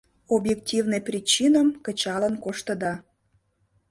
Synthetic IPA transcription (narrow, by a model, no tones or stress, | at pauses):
objek̚tʲivnəjprʲit͡ɕinəmkə̆t͡ɕɑlənkoʃt̪əd̪ɑ